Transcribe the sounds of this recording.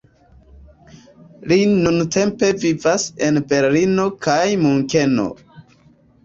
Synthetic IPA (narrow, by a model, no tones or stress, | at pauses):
linunte̞mpe̞vivase̞nbe̞ɾlino̞kajmuŋke̞no̞̰